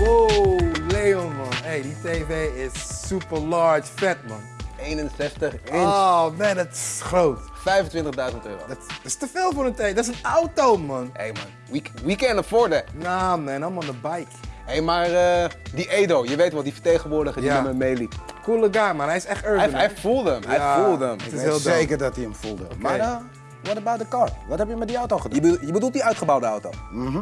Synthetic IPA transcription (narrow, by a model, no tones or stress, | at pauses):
o | lejomɔnejditeːvejɪsːypəɹlɑɹt͡ʃfɛt̚mɔ̰nejnənsɛstəχonɛdɔtɪ̥sχrowtfɛjfəntʋɪntəχdœɥzəntø̰ːro̰dtdɪstəfeːlˠfʊːɾəntejdɔtɪsənawtowmɔnḛjmɑ̰n | wikwikɛndəfɔɹdənamɛnɔlˠmalˠdəbajkejmaːɹədiʔejdowjəʋejtʋɛlˠdifəɹtejχənʋʊːɹdəχədjiəməmejlipkulˠəɡamaɾɛjɪsɛχtøɹnɛjfulˠdəəmɦɛjfulˠdəəmtɪselˠdejkərdɔtiəmfulˠdəma | ʋɔtəbawt̚dəkɑɹʋɔthɛpjəmɛt̚diawtoχədəjəbədulˠt̚diœɥtχəbawdəawtowm̩